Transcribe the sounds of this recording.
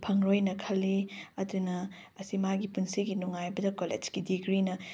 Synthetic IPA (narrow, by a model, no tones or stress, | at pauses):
pʰɐŋɾojnɐkʰɐlːiɐdunɐː | simaɡipunsiɡinuŋajbɐdɐkolḛd͡ʒkidiɡɾinɐ